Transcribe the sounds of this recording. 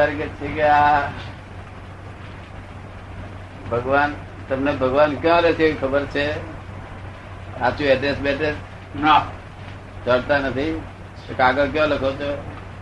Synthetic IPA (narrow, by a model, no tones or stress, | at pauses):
əɾket͡ʃʰikea | bʱəɡʋaːn | t̪əmnebʱəɡʋaːnkjɔ̃lekʰeikʰəbəɾt͡ʃʰe | at͡ʃueʈesbeʈe | nɔ | d͡ʒəɽt̪anət̪ʰi | ekaːɡəlk̬jɔ̃lekʰot͡ʃe